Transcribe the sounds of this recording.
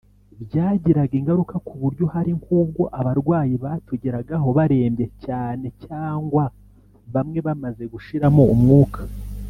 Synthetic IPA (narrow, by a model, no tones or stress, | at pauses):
bjaːɟiɾaɡiŋɡaɾukakuβuɾɟohaɾiŋkuːb̚ɡo̞ʔaβaɾɡwaːjiβaːtuɟiɾaɡaɦo̞βaɾe̞ːmbje̞caːne̞caːŋɡwa | βamŋe̞βamaze̞ɡuʃiɾamo̞umŋuːkʰḁ